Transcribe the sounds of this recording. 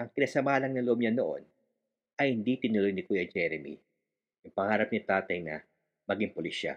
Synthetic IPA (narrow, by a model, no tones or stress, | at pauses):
ʔɐŋkɪnɐsɐmaːlɐŋnɐloʔobɲɐnoʔo̞̰n | ʔɐjhɪnd̪it̪ɪnʊlojnɪkujɐd͡ʒɛɾɛmḭ | jʊŋpɐŋaːɾɐp̚nɪt̪aːt̪ɐjnɐ̰ | mɐɡiŋpoliʃa̰